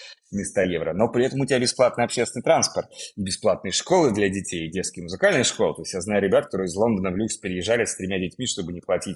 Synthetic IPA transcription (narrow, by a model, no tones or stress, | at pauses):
mʲɪst̪ajevɾəno̞pɾʲɪɛt̪əmʊtʲɪbʲabʲɪsplˠat̪nɨjɐpɕːesʲɪnɨt̪ɾanspərt̪̚ibʲɪsplˠat̪̚nɨjəʂko̞lˠɨd̪lʲɐdʲɪtʲejdʲet̪skʲɪjəmʊzɨkalʲnɨjəʂko̞lˠt̪oɪsʲtjaznajʊɾʲɪbʲat̪kɐt̪oɾɨjɪzlˠo̞nd̪ənəvlʲuksʲpʲɪɾʲɪjɪʐːalʲɪsʲt̪ɾʲɪmʲadʲɪtʲmʲiʂt̪o̞bɨnʲɪplˠɐtʲitʲ